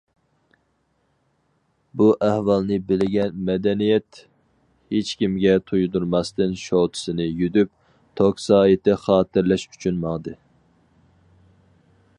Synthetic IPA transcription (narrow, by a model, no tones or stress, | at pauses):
buʔæhwɑlˠnɨbɪlɪɡʲɛnmɛd̪ɛnijɛt̪ | het͡ʃkʲimɡʲɛt̪ʰujd̪uɾmɑst̪ɨnʃowt̪ʰɨ̥sɨnɨjød̪yp̚ | t̪ʰoksɑːit̪ɪχɑːt̪ɨɾlɛʃy̥t͡ʃʰynmɑŋd̪ɨ